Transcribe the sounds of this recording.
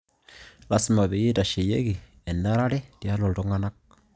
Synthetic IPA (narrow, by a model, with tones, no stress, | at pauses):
la˦sma˨be˨je˦da˨ʃe˨je˦ɡi˨ | ɛ˨nda˦ɾa˦ɾɛ˦ti˨a˦lɔ˨ltɔ˦ŋa˦na˦k̚